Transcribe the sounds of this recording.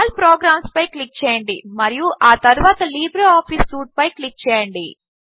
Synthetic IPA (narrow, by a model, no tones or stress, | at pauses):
lpɾoːɡɾaːmspɐjklik̚t͡ʃɛːjɐɳɖimɐɾijuʔaːt̪ɐɾuʋaːt̪ɐliːbɾɐaːpʰiːsːuːʈ̚pɐjklik̚ːt͡ʃɛːjɐɳɖḭ